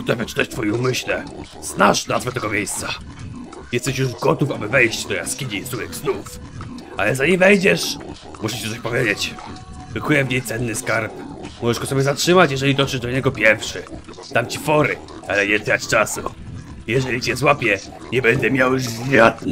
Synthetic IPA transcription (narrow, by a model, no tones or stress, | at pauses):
ut̪ɛvʲɛt͡ʂɨ̥t̪aɕt̪fɔjɛumɘɕlɛ | z̥naʂnazvɛt̪ɛɡɔmʲjejst̪sa | jɛst̪ɛɕ̬juʐɡɔt̪ufabɘvɛjɕt͡ɕvd̪ɔja̰skʲiɲizujɛkznufalɛzaɲimvɛjd͡ʑɛʂ | muʃʂɛt͡ɕɛt̪ɔɕʲpɔvʲjed͡ʑet͡ɕ | vɨkujɛvɲejt̪sɛnːɘskaɾp̚mɔʐɛʐɡɔsɔbʲɛzatʂɘmat͡ɕjɛʐɛlʲid̪ɔʂɘʐd̪ɔɲɛɡɔpʲjɛɾfʂɘ | t̪amt͡ɕifɔɾɘ | alɛɲɛt̪ɾat͡ɕt͡ʂasṵ | jɛʐɛlʲit͡ɕɛzwapʲjɛ | ɲɛbɛnd̪ɛmʲjawjuʐzʲjat̪